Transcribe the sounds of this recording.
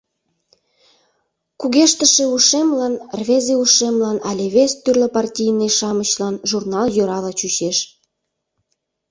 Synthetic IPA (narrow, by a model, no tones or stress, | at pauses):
kuɣeʃt̪əʃĕuʃemlɑnrvʲezeuʃemlɑnɑlʲeβʲest̪ːyrləpɑrtʲijneʃɑmət͡ɕlɑnʒurnɑljøɾɑlɑt͡ɕyt͡ɕeʃ